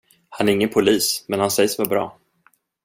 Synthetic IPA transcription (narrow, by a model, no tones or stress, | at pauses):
hanæɾɪŋːənpʰʊliːsmɛnhansɛjəsvaɾbɾɑ̰ː